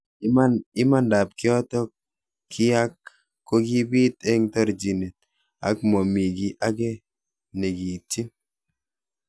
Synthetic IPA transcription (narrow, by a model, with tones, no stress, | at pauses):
aɪ˦ma˦nda˨p̚kɪ˦ɔ˦t̪ɔ˦ | kʰɪ˦a˦kː | o˦ɡi˦bi˦t̪e˦ŋtɔ˦ɾd͡ʒi˨ne˨t̪̚ | a̰˨˦kmɔ˨mi˨ɡi˨ʔa˦ɡe˦ | ne˨ɡi˨ti˦